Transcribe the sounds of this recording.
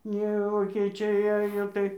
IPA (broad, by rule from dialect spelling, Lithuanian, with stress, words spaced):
ˈnʲɛ ʋoːkʲeːˈt͡ʃʲɛɪ ˈɑːjoː tɐɪ